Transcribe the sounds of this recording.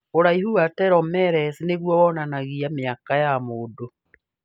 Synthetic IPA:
oɾaihuatɛɾɔmɛɾɛsineɣwɔwɔnanaɣiameakajamoːdo

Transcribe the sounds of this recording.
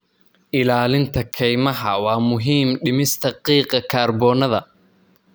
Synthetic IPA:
ʔɪlaːlɪnt̪ʰɐkʰɛjmɐɦɐwɑːmʊɦiːmɖɪmɪst̪ʰɐqiːqɐkʰaːrbɔːnɐðɐ

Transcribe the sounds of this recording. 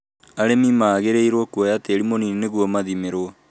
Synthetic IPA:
aɾemimaːɣeɾeiɾɔkuɔjateɾimoninneɣuɔmaðimeɾo

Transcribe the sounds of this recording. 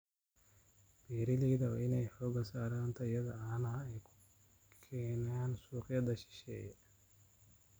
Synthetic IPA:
b̥iːɾɪliːðɐɔɪnɛjħɔːɡɐsaːɾaːnt̪ʰɐɪjɐðɐanɐɛjkʰʊ̥ | kkʰɛːnaːnsuːqjɐd̪ɐʃɪ̥ʃɛ̰ːjɛ

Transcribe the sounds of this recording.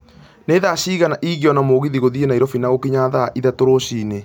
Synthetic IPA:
neðaɕiːɣanaʔiːɣiɔnamoɣiðiɣoðienaiɾɔfinaɣokiɲaðaʔiðatoɾoɕiːne

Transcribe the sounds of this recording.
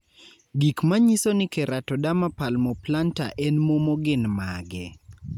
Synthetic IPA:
ɡikmaɲisonɪkɛɾatɔdamapalmɔplanta̰ʔɛnmomɔɡɪnmaɡɛ

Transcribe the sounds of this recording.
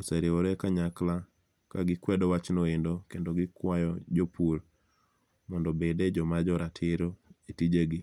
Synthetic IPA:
oseɾioɾekaɲakla | kaɡɪkwɛdɔwat͡ʃnoendokendoɡɪkwajɔd͡ʒopur | mɔndɔbeded͡ʒɔmad͡ʒɔɾatʰɪɾoetid͡ʒeɡɪ

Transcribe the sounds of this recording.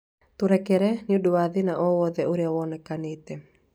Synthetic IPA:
t̪uɾɛkɛɾɛniuduwaðinaʔɔwɔðɛʔuɾiawɔnɛkanit̪ɛ

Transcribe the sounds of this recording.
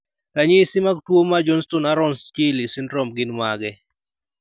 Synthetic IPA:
kaɲisimaɡ̚twomad͡ʒɔnstɔnaɾɔnskilisɪnɾɔmɡɪnmaɡɛ

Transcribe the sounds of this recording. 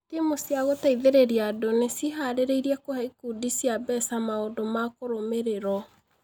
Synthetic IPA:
timosjaɣotaiðeɾeɾiadonesiɦaɾeɾeiɾiɛkohɛikudisjabɛsamaodomakoɾomeɾeɾɔ

